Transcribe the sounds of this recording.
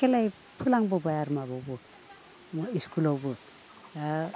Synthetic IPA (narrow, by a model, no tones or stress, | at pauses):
kelaj | pʰulaŋbɔbajaɾmaβɔwbɔ | miskulɔwbɔ